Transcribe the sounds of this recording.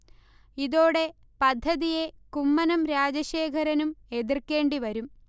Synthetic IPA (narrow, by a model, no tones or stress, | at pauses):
iðo̞ːɽe̞ | pɐd̪ʱːɐðije̞kumːɐnɐmɾaːd͡ʑɐɕeːkʰɐɾɐnume̞ðirkːe̞ːɳɖiʋɐɾum